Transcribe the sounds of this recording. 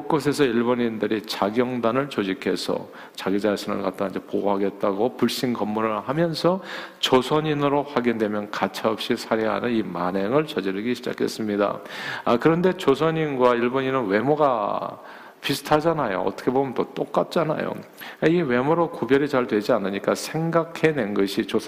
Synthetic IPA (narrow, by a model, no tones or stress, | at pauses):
ok͈os̬ʰe̞sʰʌiɭboɲindɯɾit͡ɕaɡjʌŋdanɯɭt͡ɕod͡ʑikʰe̞sʰʌ̰ | t͡ɕaɡid͡ʑaɕʰinɯ̰ɭkat̚t͈aind͡ʑepoɡoɦaɡe̞t̚t͈aɡopuɭɕ͈inkʌmːuɾɯɭhamjʌnsʰʌt͡ɕosʰʌɲinɯɾoɸwaɡindwe̞mjʌnkat͡ɕʰaʌp̚ɕ͈isʰaɾeɦa̰nɯnimaneŋɯɭt͡ɕʌd͡ʑiɾɯɡiɕʰid͡ʑa̰kʰe̞s͈ɯmɲida̰kɯɾʌnde̞t͡ɕos̬ʰʌɲinɡwaiɭboɲinɯnwe̞moɡa | pisʰɯ̥tʰad͡ʑanajo̰ʌ̰tʰʌ̥kʰebomjʌntot͈ok̚k͈at̚t͡ɕ͈ana̰jo̰ | eiwe̞moɾokubjʌɾit͡ɕaɭdwe̞d͡ʑianɯɲik͈asʰe̞ŋɡakʰe̞ne̞nɡʌɕʰit͡ɕo